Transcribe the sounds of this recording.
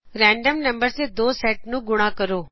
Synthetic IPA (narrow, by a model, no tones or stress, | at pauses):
ɾɛ̃ːɳɖəmnəmbəɾd̪eːd̪oːsɛːʈnũːɡʊɽ̃aːkəɾoː